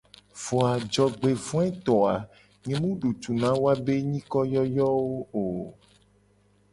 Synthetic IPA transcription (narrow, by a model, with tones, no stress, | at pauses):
v̥ɔ˨a˨d͡ʒɔ˨ɡ͡be˨vɔ̃˦ɛ˦t̪ɔ˨a˨ | ŋẽ˨mũ˦ɖu˨t̪u˨nã˦wo˦a˦be˦ɲĩ˦kɔ˦jɔ˦jɔ˦wo˦o˨